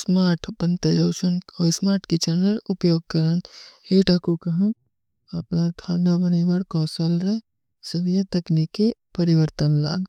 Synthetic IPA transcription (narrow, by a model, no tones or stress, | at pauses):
smaːɾʈʰpɐ̃nt̪əjoːʃənɔːsmaːɾʈkit͡ʃɐnəɾʊpjoːɡ̚kɐɾəneːʈakukɐɦɐ̃ | ɐpnat̪ʰaːnabɐnibɐɽkɔːsəlɾɛ | sɐʋjɐt̪ɐknikːepɐɾɪʋəɾt̪ənla̰ːɡ